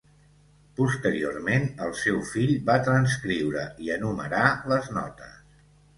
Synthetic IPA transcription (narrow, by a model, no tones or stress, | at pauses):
pust̪əɾio̰ɾmenəlˠsɛwfiʎbat̪ɾənskɾiwɾəiənumə̰ɾaləznɔ̰t̪ə̰s